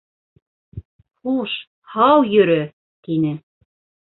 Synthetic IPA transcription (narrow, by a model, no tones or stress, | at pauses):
χuʃ | hɑwjɵ̆ɾɘ | t̪inɘ